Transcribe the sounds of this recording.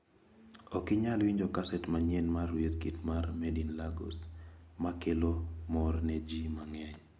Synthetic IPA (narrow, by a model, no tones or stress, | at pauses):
ɔkɪɲalwiɲd͡ʒɔkasɛtmaɲenmarweskitmarmedinlaɡo̰smakelomɔrnɛd͡ʒimaŋɛɲ